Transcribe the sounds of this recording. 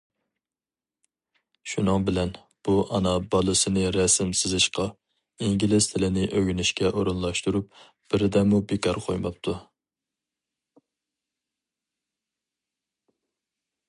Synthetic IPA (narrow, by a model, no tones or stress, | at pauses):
ʃunɨŋbɪlɛn | b̥uʔɑnɑbɑlˠɨsɨnɨɾɛsɪmsɪzɪʃqɑ | iŋɡʲilɪst̪ʰɪlɪnɪʔøɡʲynɪʃkʲʰɛʔoɾunlˠɑʃt̪uɾup̚ | b̥ɪɾɪd̪ɛmubekʰɑɾqʰojmɑp̚t̪ʰu